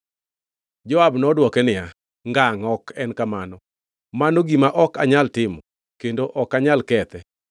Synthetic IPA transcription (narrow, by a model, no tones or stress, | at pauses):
d͡ʒɔabnɔdwɔkɛnɪja | ŋɡaŋɔkʰɛnkamanɔ | manoɡimaʔɔkaɲaltɪmɔ | kendoʔɔkaɲalkɛt̪ɛ